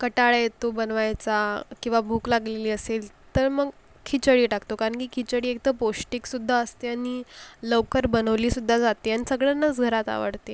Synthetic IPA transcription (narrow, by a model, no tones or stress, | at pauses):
kəʈaɭjet̪obənʋajt͡sakĩw̃ʋabʱuːklaɡleliːəsel | t̪əɾməɡ | kʰit͡ɕəɽiːʈakt̪okaɾəɳkiːkʰit͡ɕəɽiːek̚t̪əpoʂʈiksud̪ʱːaəst̪eaniləʋkəɾbənəʋliːsud̪ʱːad͡zat̪eanisəɡɭanːat͡sɡʱəɾat̪a̰ʋə̰ɽt̪e